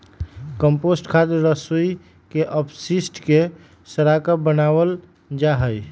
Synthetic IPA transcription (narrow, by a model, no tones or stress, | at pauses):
kəmposʈkʰat̪əɾɾəsui | keʔəpʰsisʈke | səɾakəbənawəl | d͡ʒaɦəj